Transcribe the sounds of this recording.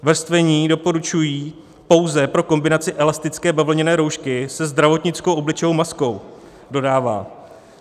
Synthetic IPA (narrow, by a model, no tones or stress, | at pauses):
vr̩st̪vɛɲiːdo̞po̞ɾut͡ʃujiː | po̞wzɛpɾo̞ko̞mbɪnat͡sɪʔɛlast̪ɪt͡skɛːbɛvl̩ɲɛnɛːɾo̞wʃkɪsɛzd̪ɾavo̞t̪ɲɪt͡sko̞wʔo̞blɪt͡ʃɛjowmasko̞w | do̞daːva̰ː